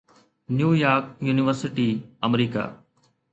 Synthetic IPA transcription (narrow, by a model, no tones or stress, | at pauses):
njuːjaːɾk̚juːnɪʋəɾsɪʈiːəmɾiːka̰ː